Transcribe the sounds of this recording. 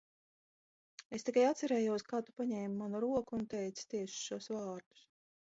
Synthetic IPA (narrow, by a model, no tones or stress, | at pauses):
e̞st̪ikajat̪sɛɾɛːjuɔskaːt̪u̥paɲɛːmmːanuɾuɔkuunt̪ɛjt̪st̪iɛʃu̥ʃuɔsvaːɾd̪̥u̥s